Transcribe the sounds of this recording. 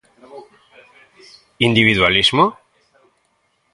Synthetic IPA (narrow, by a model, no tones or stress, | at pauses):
ind̪iβiðwalizmo